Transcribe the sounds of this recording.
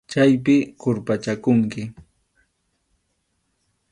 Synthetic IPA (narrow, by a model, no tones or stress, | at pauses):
t͡ʃajpɪkʊɾpat͡ʃakʊŋkɪ